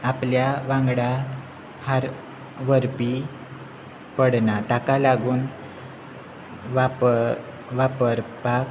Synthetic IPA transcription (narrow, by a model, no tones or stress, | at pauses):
apljaʋãŋɡɽa | haɾ | ʋəɾpi | pəɽnat̪akalaɡuːn | ʋap | ʋapəɾpak